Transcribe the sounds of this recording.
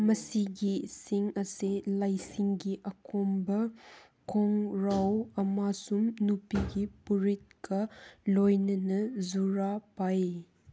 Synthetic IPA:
mɐsiɡisiŋɐselajsiŋɡiʔɐkʰombɐ | kʰoŋɾawɐmasumnupiɡipuɾit̚kɐlojnɐnɐzuɾapaj

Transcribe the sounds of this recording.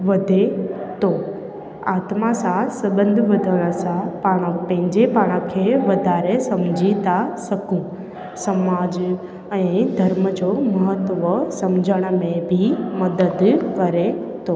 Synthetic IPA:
ʋɐd̪ʱet̪o | aːt̪masãsɐbə̃nd̪ʱʋɐd̪ʱəɽ̃ə̆sãpaːɽ̃əpɐ̃ɦɪ̃ɲd͡ʑepaːɽ̃əkʰeːʋɐd̪ʱaːɾesɐmd͡ʑʱit̪asɐkũ | sɐmaːd͡ʑ | ɛ̃ːd̪ʱɐɾməd͡ʑomɐɦət̪ʋəsɐmd͡ʑʱəɽ̃ə̆mẽbʱimɐd̪əd̪kɐɾet̪ʰoː

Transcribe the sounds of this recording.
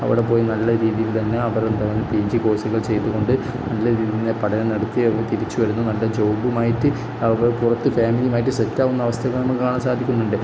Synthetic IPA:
ɐ̰ʋḭɽe̞po̞ːjinɐlːɐɾiːðijilt̪ɐnːe̞ɐʋɐɾend̪aʋɐnːɨpiːd͡ʑiko̞ːsɐɣɐɭt͡ɕe̞jt̪ːuɣo̞ɳɖɨ | nɐlːɐɾiːðiinepɐɽɐnɐnɐɽɐt̪ːiɐʋt̪iɾit͡ɕːuʋɐɾunːunɐlːɐd͡ʑowbumaːjiʈːɨ | ɐʋɐrpurɐt̪ːɨfaːmilijumaːjiʈːɨsetːaːʋunːɐːʋɐst̪ʰɐɣɐɭnɐmːukːaːɳɐmsaːd̪ʱikʲːunːuɳɖɨ

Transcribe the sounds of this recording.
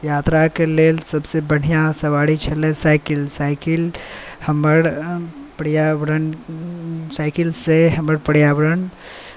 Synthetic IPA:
jat̪ɾakelelsəbsebəɽ̤ijãsəʋaɽit͡ʃʰəlẽsaɪkilsaɪkil | həməɾpəɽijaʋəɾən | saɪkilseɦəməɾpəɽjabəɾən

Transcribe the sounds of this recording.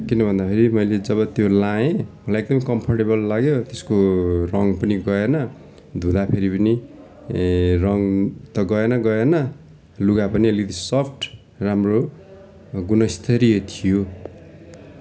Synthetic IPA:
kinʌbʱʌnd̪apʰeɾimʌjled͡zʌβʌt̪jolãẽmʌlajekɡd̪ʌmkʌmpʰʌrʈebʌlːaɡjot̪eskorʌŋpʌniɡʌenʌ | d̪ʱũd̪apʰeɾipʌni | rʌŋt̪ʌɡʌenʌɡʌenʌ | luɡapʌniʌlid̪isʌpʰʈ | ramro | ɡunʌst̪ʰʌɾijʌt̪ʰijo

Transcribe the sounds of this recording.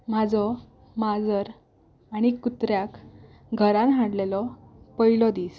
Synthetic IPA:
mad͡zɔ | mad͡zəɾ | aɽ̃ikut̪ɾjak | ɡʱəɾãnɦãɽlelɔpəɦilɔd̪iːs

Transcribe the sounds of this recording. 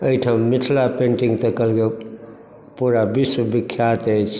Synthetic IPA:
əiʈʰamiʈʰlapẽɳʈiŋɡt̪əkəlɡe | puɾabiswəbikʰːjat̪et͡ʃʰ

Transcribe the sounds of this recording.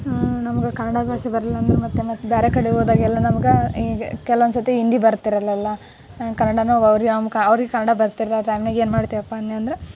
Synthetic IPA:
nɐmɐɡekɐnːɐɽabʱaːʃɐbɐɾlilːɐːnd̪ɾemɐt̪ːemɐt̪ːbaːɾekɐɽeɡoːd̪aːɡɛlːɐnɐmɐɡeɡkɛlɐʋond̪s̬ɐt̪jeind̪ibɐɾt̪iɾɐlːɐlːɐ | kɐnːɐɽanuɐʋɾiɡamkɐɐʋɐɾiɡekɐnːɐɽabɐɾt̪iɾɐlaɾɐjmneɡeːnmaːɽt̪iɐpːanːeɐnd̪ɐɾe

